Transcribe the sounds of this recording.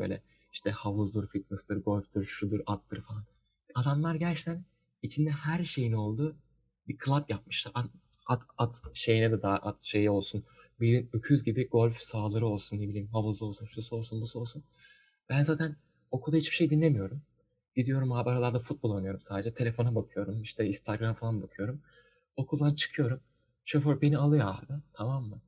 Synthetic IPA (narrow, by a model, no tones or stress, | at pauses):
bø̰jlʲɛ̰ | iʃt̪ʰɛhavuzd̪ˠuɾfit̪nɨst̪ɯɾɡo̞lʲfd̪ɯɾʃud̪ɯɾat̪lːɯɾfalˠan | ad̪amlˠaɾɟæɾt͡ʃt̪ʰæn | it͡ʃʰind̪ɛhæɾʃe̞jino̞lˠd̪u | bikʰɯlˠapjap̚mɯʃlˠaɾa | at̪at̪ʃe̞jinɛd̪ɛd̪aːʔat̪ʃe̞jio̞lˠsunbid̪inøcʰyzɟibiɡo̞lʲfsaːlˠaɾɯo̞lˠsunːebilʲiːmhaβuzlˠɯo̞lˠsunʃuso̞lˠsunbusuo̞lˠsun | bænzaːt̪ʰæn | o̞kʰuld̪ahit͡ʃb̥iʃe̞jd̪inlʲemijo̞ɾum | ɟid̪ijo̞ɾumaːbaɾalˠaɾd̪afut̪̚bolˠo̞jnɯjo̞ɾumsaːd̪e̞d͡ʒɛt̪ʰe̞lʲe̞fo̞nabakʰɯjo̞ɾumiʃt̪ʰɛist̪ʰaɡɾamfalˠanbakʰɯjo̞ɾum | o̞kʰulˠd̪ant͡ʃʰɯ̥kʰɯjo̞ɾum | ʃøføɾbenialˠɯjad̪ɯt̪ʰamamːɯ